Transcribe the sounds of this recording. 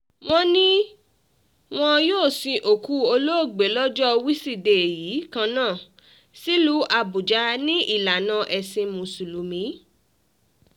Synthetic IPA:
w̃ɔ̃˦nĩ˦ | w̃ɔ̃˧joː˦˨sĩ˧ʔo˨ku˨˦o˧lo˦o˦˨ɡ͡be˨˦lɔ˦d͡ʒɔ˦˧wi˦si˦˨de˨jiː˨˦kã˧nãː˦˨ | si˦lu˦a˧bu˨d͡ʒa˧˦nĩ˦i˦˨la˨nã˧˦ʔɛ˧sĩ˧mũ˧su˨lu˨mĩ˨˦

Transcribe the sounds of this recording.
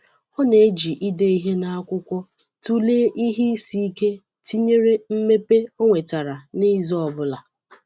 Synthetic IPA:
ɔ˦ne˨˦d͡ʒi˨ʔi˦de˦i˦ɦe˦na˦a˦kʷʊ˦kʷɔ˦ | tu˦le˦ʔi˦ɦi˦si˦i˦ke˦ | ti˦ɲe˦ɾe˦m̩˦me˦pe˦o˦ŋʷe˨ta˨ɾa˨ni˦zɔ˦˨bʊ˦la˨

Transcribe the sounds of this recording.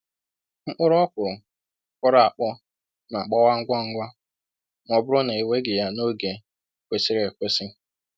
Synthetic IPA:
ŋ͡m̩˦k͡pʊ˦ɾʊ˦ɔ˦kʷʊ˨ɾʊ˨ | kɔ˦ɾa˦a˨k͡pɔ˦ | na˨k͡pɔ˦wa˦ŋ̩˦ɡʷɔ˦ŋ̩˦ɡʷɔ˦ | ŋʷɔ˨bʊ˦ɾʊ˦na˨i˨we˦ɡɪ˨ja˦no˦ɡe˨ | kʷe˨sɪ˦ɾe˨kʷe˦sɪ˦

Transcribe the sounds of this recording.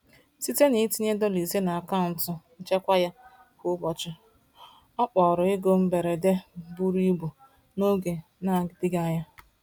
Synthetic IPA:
si˦te˦ni˨˦ti˦ɲe˦dɔ˦li˨ze˦na˨ka˦˨n̩˨tʊ˨n̩˦t͡ʃe˦kʷa˦ja˦ | kʊ˦bɔ˨t͡ʃɪ˦ | ɔ˦k͡pɔ˨ɾʊ˨ɪ˦ɡo˦m̩˦be˨ɾe˨de˦bu˦ɾi˦bu˨ | no˦ɡe˨ | na˦˨dɪ˦ɡa˦ɲa˦

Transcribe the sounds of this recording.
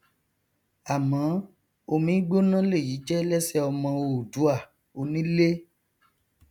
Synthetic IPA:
a˨mã˨˦ | o˧mĩ˦ɡ͡bo˦nã˦le˦˨ji˨˦t͡ʃɛ˦lɛ˦sɛ˦ɔ˧mã˧wo˧˨du˨˦a˦˨ | o˧nĩ˦le˦

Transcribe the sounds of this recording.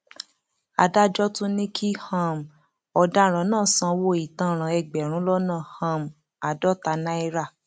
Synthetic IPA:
a˨da˦d͡ʒɔ˦tũ˦nĩ˦kʰi˦hã˦˨m˨ | ɔ˧da˦ɾ̃ã˨˦nãː˦˨sã˧wo˧˦i˨tã˧ɾ̃ã˨ɛ˧ɡ͡bɛ˨ɾ̃ũ˨˦lɔ˦nã˦˨hã˧˨m˨ | a˨dɔ˨˦ta˧˦nã˦i˧ɾa˦˨

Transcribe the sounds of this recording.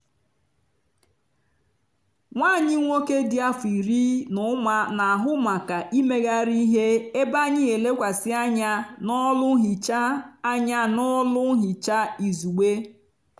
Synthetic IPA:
ŋʷaː˦˨ɲɪ˦ŋʷo˦ke˦dɪ˦a˦fi˨ɾi˦nʊ˨˦ma˨na˨a˨ɦʊ˦ma˨ka˨ʔi˦me˦ɣa˦ɾi˦i˦ɦe˦e˦ba˦ɲɪ˦e˨le˦kʷa˨sɪ˦a˦ɲa˦nɔ˦lʊ˦ɦi˨t͡ʃa˦a˦ɲa˦nɔ˦lʊ˦ɦi˨t͡ʃa˦i˨zu˨ɡ͡be˦

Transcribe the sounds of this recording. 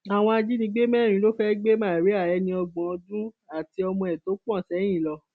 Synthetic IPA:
a˨w̃ɔ̃˧a˧d͡ʒi˦nĩ˧˦ɡ͡be˦mɛ̃˦˨ĩ˨˦lo˦fɛ˦ɡ͡be˦mãː˦˨ɾi˨˦a˦˨jɛ˧˦nĩ˧ɔ˧ɡ͡bɔ̃˨˧dũ˦ | a˦˨ti˧ɔ˧mɔ̃˧ɛ˨to˨˦k͡pɔ̃˦˨sɛ˨˦j̃ĩ˦˨lɔ˧

